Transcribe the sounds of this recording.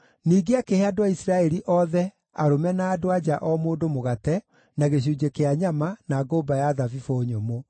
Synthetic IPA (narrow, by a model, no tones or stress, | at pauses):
niːɡeakeheadoaisɾaɛɾiʔɔðɛ | aɾomɛnaːdoad͡ʑaʔɔmoːdomoɣatɛ | naɣeɕ̬uːd͡ʑekeaɲamanaːɡoːbajaðavifoɲomo